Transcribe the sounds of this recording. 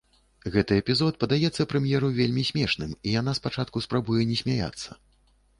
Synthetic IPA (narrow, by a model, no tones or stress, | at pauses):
ɣɛt̪ɨɛpʲizɔt̪̚pɐd̪ajɛt̪sːɐpɾɛmjɛɾuvʲelʲmʲisʲmʲɛʂnɨmijan̪aspat͡ʂat̪̚kuspɾabujɛnʲɛsʲmʲaja̰t̪sːɐ